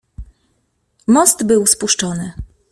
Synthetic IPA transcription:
mɔsd̪bɘwspuʂt͡ʂɔnɘ

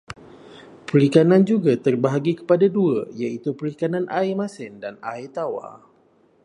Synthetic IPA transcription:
pəɾikanand͡ʒuɡat̪ərbaɦaɡikə̥padadua̰jait̪upəɾikananʔaemasɪndana̰it̪awa̰

